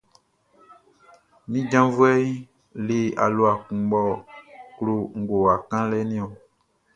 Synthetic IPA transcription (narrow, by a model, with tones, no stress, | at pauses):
mĩ˦d͡ʒã˦vu˦ɛ˦i˦ | le˨a˨lo˨a˨kũ˨ɡ͡bɔ˦klo˨ŋ̩˨ɡo˨a˨kã˦lɛ˦nĩ˦o˨